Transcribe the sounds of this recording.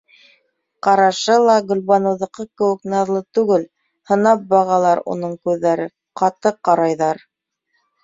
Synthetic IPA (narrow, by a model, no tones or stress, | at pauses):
qɑɾɑʃɤlˠɑɡɵ̆lʲβɑnɤ̆wðɤ̆qɤkɘ̆wɘ̆knɑðlˠɤt̪ʉɡɘl | hɤ̆nɑp̚bɑʁɑlˠɑɾṵnɤɴkʉðːæɾɘ | qɑt̪ɤqɑɾɑjðɑɾ